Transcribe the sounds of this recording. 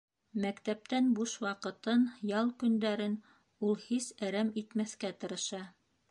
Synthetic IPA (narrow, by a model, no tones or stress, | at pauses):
mækt̪æp̚t̪ænbuʃwɑqɤ̆t̪ɤnjɑlˠkɵ̆nd̪æɾɘn | ulˠhisæɾæmit̪mæθkæt̪ɤ̆ɾɤ̆ʃɑ